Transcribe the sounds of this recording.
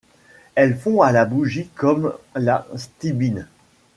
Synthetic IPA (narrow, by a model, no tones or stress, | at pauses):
ɛlfɔ̃alabuʒikɔmlast̪ibin